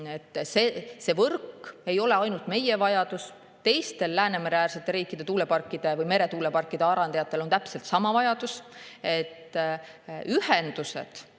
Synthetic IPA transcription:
et̪ːˑsese̞ːvɤrke̞jo̞le̞ɑjnult̪me̞jevɑjɑd̪̥us | t̪e̞jst̪e̞lːæːne̞meɾeæːrse̞t̪ːˑe̞ɾiːkːˑid̪̥e̞t̪uːle̞pɑrkːˑid̪̥e̞vɯjme̞ɾe̞t̪uːlepɑrkːˑid̪̥e̞ɑɾɑnejɑt̪ːˑe̞lo̞nt̪æpse̞lt̪sɑmɑvɑjɑd̪̥use̞t̪ː | yhend̪usḛt̪

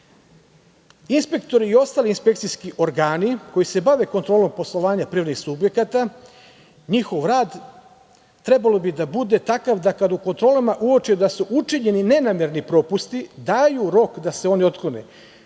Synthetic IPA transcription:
inspe̞kt̪o̞ɾiːo̞st̪aːliinspe̞k̚t̪sijskiʔo̞ɾɡaːniko̞jise̞baʋe̞ko̞nt̪ɾoːlo̞mpo̞slˠo̞ʋaːɲapɾiʋaɾd̪nixsubje̞kat̪a | ɲixo̞ʋɾaːd̪ | t̪ɾe̞balo̞bid̪abud̪e̞t̪akaʋd̪akad̪uko̞nt̪ɾo̞ːlamaʔuot͡ʃed̪asuʔut͡ʃiɲe̞nine̞namjeɾnipɾo̞pust̪id̪aːjuɾo̞kd̪aseo̞nio̞t̪klonḛ

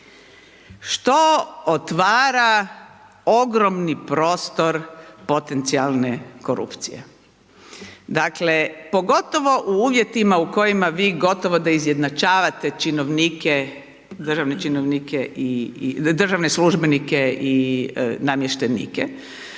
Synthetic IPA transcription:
ʃt̪oot̪ʋaːɾa | o̞ɡɾomnipɾo̞ːst̪o̞ɾpo̞t̪ent̪sialˠneko̞ɾṵpt̪sḭjḛ | d̪akle̞po̞ɡo̞t̪o̞ʋo̞ʔuuːʋje̞t̪imauko̞jimaʋiːɡo̞t̪oʋo̞d̪aizje̞d̪nat͡ʃaːʋat̪et͡ʃinoʋnike | d̪r̩ʒaʋnet͡ʃinoʋnikeid̪r̩ʒaʋnesluʒbenikeinamjeʃt̪enḭke

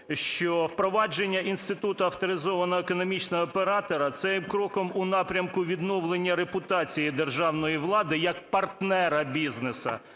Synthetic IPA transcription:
ʃt͡ʃɔwpɾɔʋɑd͡ʒenʲːɐʔinst̪ɪt̪ut̪ʊɐwt̪ɔɾɪzɔʋɐnɔɦekɔnɔmʲit͡ʃnɔɔːpeɾɑt̪ɔɾɐt̪sɛjmkɾɔkɔmʊnɑpɾʲɐmkʊʋʲid̪nɔwlˠenʲːɐɾepʊt̪ɑt͡sʲijid̪erʒɑwnɔjiʋlˠɑd̪ɪjɐk̚pɐrt̪nɛɾɐbʲiznesɐ̰

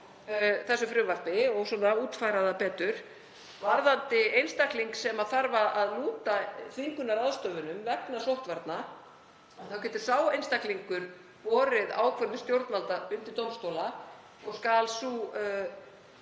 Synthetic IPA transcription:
θɛsːʏfɾʏvar̥pɪɔɣsɔːnauːt̪fajɾaðapɛːt̪ʏɾ̥ | vaɾðant̪ɪejnst̪ahkliŋksɛmaðθaɾvaʔaðluːt̪aθiŋkʏnːaɾaðst̪œːvʏnʏmvɛknasowht̪vaɾt̪na | anθawcɛːt̪ʏ̥saːwejnst̪ahkliŋkʏɾ | vɔːɾɪða̰ːwkʰvœɾðʏst̪jowɾt̪nvalt̪aʏnt̪ɪɾt̪owmst̪owla | ɔɣskaːlsuː

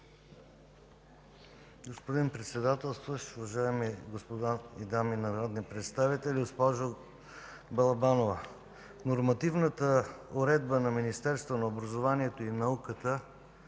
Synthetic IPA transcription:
ɡospod̪inpɾɛt̪sɛd̪at̪ɛlˠst̪vəʃʊvɐʒaɛmiɡospod̪aid̪aminɐɾɔd̪nipɾɛt̪st̪avit̪ɛlʲɡospɔʒo | bɐlˠɐbanovə | noɾmɐt̪ivnət̪əoɾɛd̪bənɐminist̪ɛɾst̪vonɐobɾɐzovaniɛt̪oinɐukət̪ə

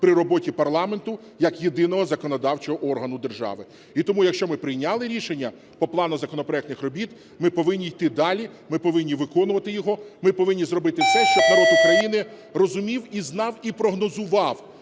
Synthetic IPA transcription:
pɾʲɪɾɔbɔtʲipɐrlˠɑme̞nt̪ʊ | jɐkjed̪ɪnɔɦɔzɐkɔnɔd̪ɑwt͡ʃɔɦɔʔɔrɦɐnʊd̪erʒɑ̰ʋɪ | it̪ɔmujɐkʃt͡ʃɔmɪpɾɪjnʲɑlˠɪɾʲiʃenʲːɐ | pɔplˠɑnʊzɐkɔnɔpɾɔɛk̚t̪nɪxrɔbʲit̪ | mɪpɔʋɪnʲːijt̪ɪd̪ɑlʲimɪpɔʋɪnʲːiʋɪkɔnʊʋɐt̪ɪjɔɦɔmɪpɔʋɪnʲːizrɔbɪt̪ɪsɛʃt͡ʃɔsnɐɾɔd̪ʊkɾɐjinɪ | rɔzʊmʲiwiznɑwipɾɔɦnɔzʊʋɑw

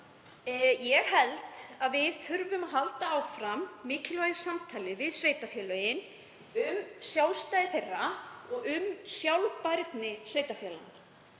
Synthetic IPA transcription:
jɛɣhɛlt̪aðvɪðθʰʏɾvʏmaðɦalt̪aawfɾamːɪːcɪlvajðɪsamt̪ʰaːlɪvɪðsveːjt̪afjɛːlœjɪn | ʏmsjaːw̪st̪ajðɪθejrːaɔɣʏmsjawlpaɾt̪nɪsveːjt̪afjɛːla̰n

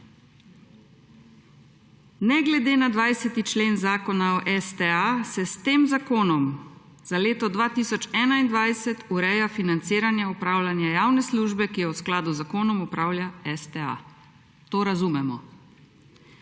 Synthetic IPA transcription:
nɛɡlɛd̪eːnad̪ʋajsɛt̪it͡ʃleːnzaːkɔnaɔʔɛst̪ɛasɛst̪eːmzakoːnɔm | z̥aleːt̪ɔd̪ʋaːt̪isɔt͡ʃɛːnaind̪ʋajsɛt̪uɾɛːjafinant̪siːɾanjaupɾaːwlʲanjajaːwnɛsluːʒbɛkijɛwsklaːd̪uzakoːnɔmɔpɾaːwljaɛst̪ɛa̰ | t̪oːɾazumɛmɔ

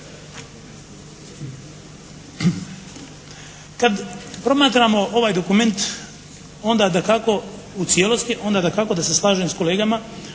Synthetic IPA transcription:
kad̪pɾo̞maːt̪ɾamo̞ʔo̞ʋaːjd̪o̞kume̞nt̪ | o̞nd̪ad̪akako̞ | ut̪sijeːlo̞st̪iʔo̞ːnd̪ad̪akako̞d̪aseslˠaːʒuemsko̞le̞ːɡama

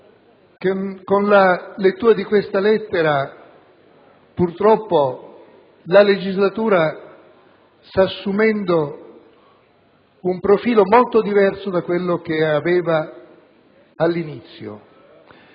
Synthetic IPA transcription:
kkonlalet̪ːuːɾad̪ikwest̪alɛt̪ːeɾa | purt̪ɾɔpːo | laled͡ʒizlat̪uːɾa | st̪aːsːumɛnd̪o | umpɾofiːlomolt̪od̪ivɛrsod̪akːwelːok̟eavɛːva | lːinit̪sːjo̰

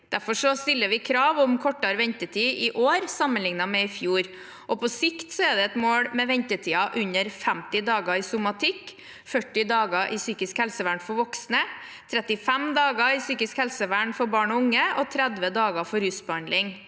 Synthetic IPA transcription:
d̪̥æɾfɔʂɔst̪ɪlːəʋɪkʰɾɑːʋɔmkʰɔʈːɑɾʋɛɲt̪ət̪ʰiːɪʔoːɾsɑmənlɪŋnɑmɛɪfjuːɾ | ʔɔpʰɔsɪkt̪sɔɛd̪ɛɛt̪moːɽmɛʋɛɲt̪ət̪ʰiːɑʔʉɲəɾfɛmt̪ɪd̪ɑːɡɑɪsʊmɑt̪ʰɪkː | fœʈːɪd̪ɑːɡɑʔɪsyːkɪskhɛlsəʋæɳfɔɾʋɔksnə | t̪ʰɾɛt̪ɪfɛmd̪ɑːɡɑɪsyːkɪskhɛlsəʋæɳfɔɾbɑːɳɔʊŋːəʔɔt̪ʰɾɛd̪ʋəd̪ɑːɡɑfɔɾhʉsbəɑnd̪lɪŋ

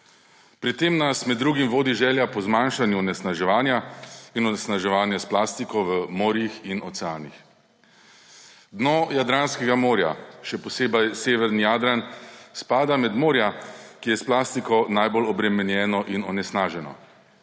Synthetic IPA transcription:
pɾit̪ːeːmnasmɛd̪ːɾuːɡimʋoːd̪iʒɛːljapɔzmaːnʃanjuɔnɛsnaʒɛʋaːnjainɔnɛsnaʒɛʋaːnjasplaːst̪ikɔʋəmoːɾjixinɔsɛaːnix | d̪nɔjad̪ɾaːnskɛɡamoːɾja̰ʃɛpɔseːbajseːʋɛɾnijaːd̪ɾanspaːd̪amɛd̪moːɾjakijɛsplaːst̪ikɔnajbolɔbɾɛmɛnjɛːnɔʔinɔnɛsnaːʒɛnɔ̰

